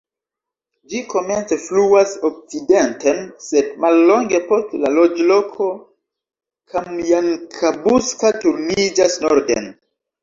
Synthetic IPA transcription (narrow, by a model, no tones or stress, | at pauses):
d͡ʒiko̞me̞nt͡se̞fluasok̚t͡side̞ntense̞dmalːo̞ŋɡe̞po̞stlalod͡ʒlo̞kʰo̞ | kʰamjaŋkʰabuskatuɾnid͡ʒasnoɾdḛn